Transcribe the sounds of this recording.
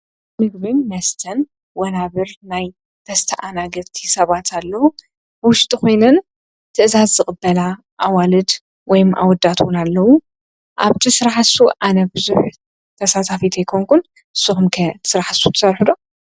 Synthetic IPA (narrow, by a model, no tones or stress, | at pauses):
mɨɡbɨnmɐst̪ʰɐn | wɔnaβɨɾnaj | t̪ʰɐst̪ʰɐʔanaɡɐt̪ʰisɐβat̪ʰalːɐwu | b̥ɨwʊʃt̪ʼiko̞jnɐn | t̪ʰɨʔzazːɨχʼɨbːɐla | ʔawalɨd̪ | wɔjmʔa̰wɔd̪ːat̪ʰwʊnalːɐwu | ʔaβt̪ʰisɨɾaħasuʔanɐbɨzuħ | t̪ʰɐsat̪ʰafit̪ʰɐjkʰoŋkʰun | ʔɨsːuxumkʰɐt̪ʰɨ̥sɨɾaħasut̪ʰɨ̥sɐɾħɨd̪o